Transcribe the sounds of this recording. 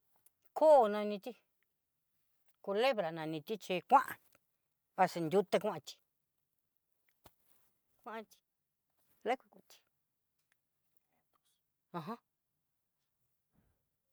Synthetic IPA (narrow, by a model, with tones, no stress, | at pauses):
kʰo˦˨nã˧nĩ˧t̪i˦ | ku˧le˦βɾa˨nã˨˧nĩ˧t̪i˦t͡ʃe˧kʷã˦ʔã̰˨˧ | βa˧se˧nd̪ʲu˧t̪a˧kʷã˦ʔã˧t̪i̥˧ | kʷã˦ʔã˧t̪i̥˧ | la˦kʷi˧ku˨˧t̪i̥˧ | ã˧˨ɦã˦